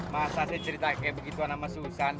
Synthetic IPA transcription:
masaset͡ʃəɾit̪akebəɡit̪uanamasusan

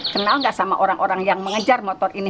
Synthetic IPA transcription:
kənalŋɡaʔsama̰ʔoɾaŋʔoɾaŋjaŋməŋəd͡ʒarmot̪ɔrini

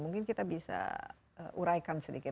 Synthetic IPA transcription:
muŋkɪnkit̪abisa̰ | ə̰ʔuɾajkansədikɪ

